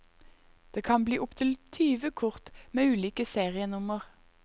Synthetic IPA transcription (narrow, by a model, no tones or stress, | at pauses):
d̪̥eːkʰɑnbliːʔʊpt̪ʰɪlt̪ʰyːʋəkʰʊʁt̪meːʉːliːkəseːʁɪənʊməʁ